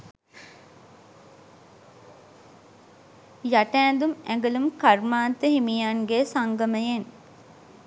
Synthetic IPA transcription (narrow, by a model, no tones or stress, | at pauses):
jaʈæːnd̪umæŋɡəlumkarmaːnt̪əhimijanɡesaŋɡəməjen